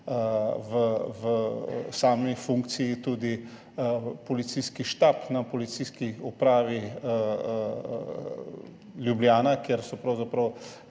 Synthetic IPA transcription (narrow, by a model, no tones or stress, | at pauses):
ʋəʋəsaːmifũŋkt̪sijit̪uːd̪i | pɔlit̪siskiʃt̪aːpnapɔlit̪siskiupɾaːʋi | lʲjublʲjaːnakjeɾsɔpɾɐwzapɾɐw